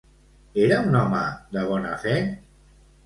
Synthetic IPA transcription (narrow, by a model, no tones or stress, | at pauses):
eɾaunɔmə̰ðəβ̞ɔnafɛ